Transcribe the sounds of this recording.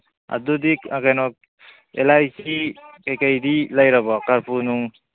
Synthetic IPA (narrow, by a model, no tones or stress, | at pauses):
a̰dudikakajnɔk̚ | ɛlajsikajkajdilajɾabɔkaɾpunuŋ